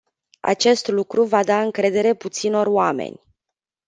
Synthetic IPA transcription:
a̰t͡ʃe̞st̪lukɾuvad̪aɨŋkɾe̞d̪e̞ɾe̞put̪sino̞roamḛnʲ

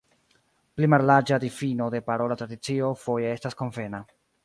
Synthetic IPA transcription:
plimaɾlaɾd͡ʒadifino̞de̞paɾo̞latɾadit͡sio̞fo̞jee̞stasko̞ɱve̞na

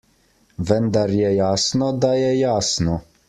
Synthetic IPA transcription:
vənd̪aɾjɛjaːsnɔd̪ajɛjaːsnɔ

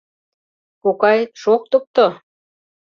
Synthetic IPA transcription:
kukɑjʃok̚t̪up̚t̪o

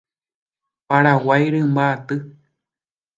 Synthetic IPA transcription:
paɾawajɾɨmbaːt̪ɨ

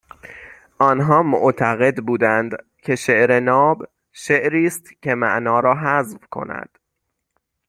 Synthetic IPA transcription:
ʔɒːnɦɒːmo̰ʔt̪ʰæɣe̞d̪buːd̪ænd̪ | cʰe̞ʃeʔɾe̞nɒːb | ʃeʔɾiːst̪cʰe̞mæʔnɒːɾɒːɦæzvkʰo̞̰næ̰d̪̥

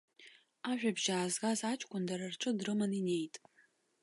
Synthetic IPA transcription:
aʒᶣabʒaːzɡazat͡ʃʼkʷʼʊndaɾarʈ͡ʂʼɨdrɨmanine̞jtʼ

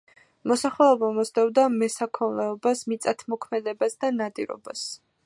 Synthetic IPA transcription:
mɔsaχlɛɔbamɔsd̪ɛvd̪amɛsakʰɔnlɛɔbasmit̪sʼat̪ʰmɔkʰmɛd̪ɛbasd̪anad̪ḭɾɔ̰bas

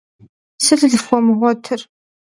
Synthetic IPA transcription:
sɨɮɨɮɨxʷɔmɨʁʷɔtʰɨr

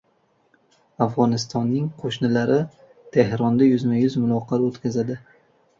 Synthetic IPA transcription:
afʁɒnɪst̪ʰɒnːɪŋqʰoʃnɪlaɾɪ | t̪ʰehɾɒnd̪ajʊzmajʊzmʊlˠɒqʰɑɾot̪kʲazad̪ɪ

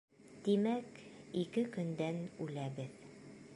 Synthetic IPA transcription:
t̪imækikɘkɵ̆nd̪ænʉlæbɘð

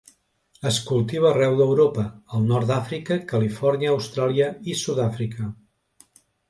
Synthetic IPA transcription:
əskulˠt̪iβəːrɛwðəwɾopəːlˠnɔɾt̪d̪afɾikəkəlifɔɾniəːwst̪ɾalˠiəisuðafɾikə

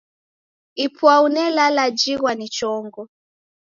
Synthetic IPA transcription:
ipʰwaunɛlalad͡ʒiɣwanit͡ʃɔŋɡɔ

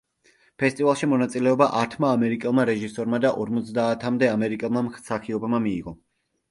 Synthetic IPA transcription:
pʰɛst̪ʼivalˠʃimɔnat̪sʼilɛɔbaʔaɾt̪ʰmaːmɛɾikʼɛlˠmaɾɛʒisɔɾmad̪aʔɔɾmɔt̪sʰd̪aːt̪ʰamd̪ɛamɛɾikʼɛlˠmamχsaχiɔbmamiːʁɔ

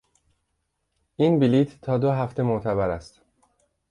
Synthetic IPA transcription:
ʔinbiliːt̪ːʰɒːd̪oɦæft̪e̞mot̪ʰæβæɾæst̪

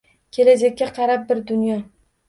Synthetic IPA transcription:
kʲʰe̞lad͡ʒakʲːaqʰɑɾap̚bɪɾd̪ʊnjɒ

